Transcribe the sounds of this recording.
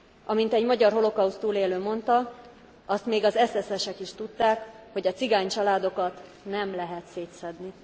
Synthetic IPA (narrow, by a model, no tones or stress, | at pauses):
ʔɒmint̪ɛɟmɒɟɒrɦo̞lo̞kɒust̪uːleːløːmo̞nt̪ɒ | ɒst̪meːɡɒzɛsɛsɛʃɛkiʃt̪ut̪ːaːkho̞ɟɒt̪siɡaːɲt͡ʃɒlaːd̪o̞kɒt̪ | nɛmlɛɦɛt̪seːt̪sɛd̪ni